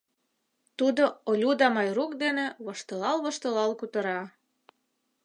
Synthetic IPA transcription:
t̪ud̪oolʲud̪ɑmɑjrukd̪enĕβɤ̆ʃt̪ɤ̆lɑlβɤ̆ʃt̪ə̆lɑlkut̪ɤ̆ɾɑ

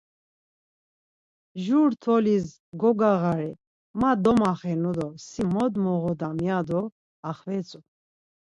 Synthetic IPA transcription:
ʒuɾt̪ʰɔliz | ɡɔɡaʁaɾɛ | mad̪ɔmaχɛnud̪ɔsimɔd̪mɔʁɔd̪amjad̪ɔ | aχvɛt͡sʼu

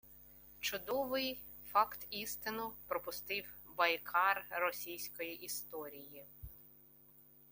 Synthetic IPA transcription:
t͡ʃʊd̪ɔʋɪj | fɑkt̪ist̪ɪnʊpɾɔpʊst̪ɪwbɐjkʰɑrːɔsʲijsʲkɔjiʔist̪ɔɾʲiji

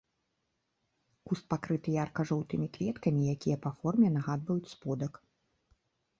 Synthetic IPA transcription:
kust̪̚pakɾɨt̪ɨjaarkɐʐɔwt̪ɨmʲikvʲɛt̪kɐmʲijakʲijɐpafɔrmʲɛnaɣad̪vɐjut͡sʲspɔd̪ɐk

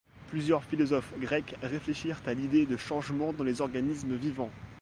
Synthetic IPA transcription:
plyzjœʁfilɔzɔfɡʁɛkʁefleʃiʁt̪alid̪ed̪əʃɑ̃ʒmɑ̃d̪ɑ̃lezɔʁɡanisməvivɑ̃

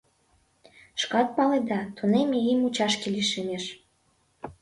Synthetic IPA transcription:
ʃkɑt̪̚pɑled̪ɑt̪unemeimut͡ɕɑʃkeliʃemeʃ

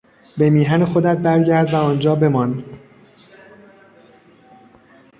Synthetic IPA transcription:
be̞miːɦænexod̪æt̪̚bæɾɟæɾd̪væɒːnd͡ʒɒːbe̞mɒn

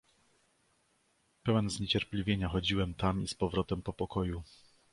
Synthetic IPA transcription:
pɛwɛnzɲet͡ɕɛɾplʲivʲjeɲaxɔd͡ʑiwɛmt̪amispɔvɾɔt̪ɛmpɔpɔkɔju

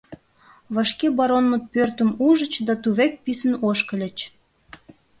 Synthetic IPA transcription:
βɑʃkebɑɾonmət̪̚pørt̪əmuʒə̆t͡ɕd̪ɑt̪uβek̚pisənoʃkəlʲət͡ɕ

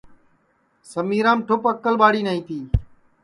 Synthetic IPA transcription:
səmiːɾãːmʈʰʊpəkːəlɓaːɽiːnaːiːt̪iː

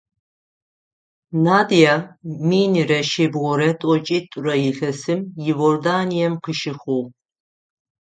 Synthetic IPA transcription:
naːdijaːmiːnirɐʃeːbʁɔɾɐtʼɔt͡ʃʼiːtʷʼʊrɐjɪɬɐsɨmjɪvordaːnijɛmqəʃɪxʷʊʁ

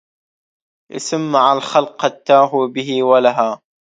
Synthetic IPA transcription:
ʔɪ̰samːaʕalxalqat̪ːaːɦubɪɦiwalaɦaː

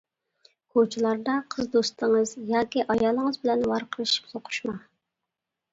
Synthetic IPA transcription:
kʰot͡ʃʰilˠɑɾd̪ɑqʰəzd̪ost̪əŋəzjɑːkʲiʔɑjjɑːlˠəŋəzbɪlɛnwɑɾqʰəlˠɨʃi̥psoqʰʊ̥ʃmɑ

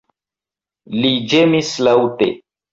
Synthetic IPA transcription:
lid͡ʒemislawtḛ

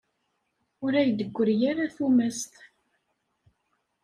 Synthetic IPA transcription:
ʊɾæjd̪əɡʷːəɾjaɾaθumæst̪

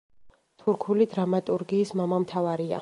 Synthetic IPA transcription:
t̪ʰuɾkʰulid̪ɾamat̪ʼuɾɡiːsmamamt̪ʰavaɾia̰

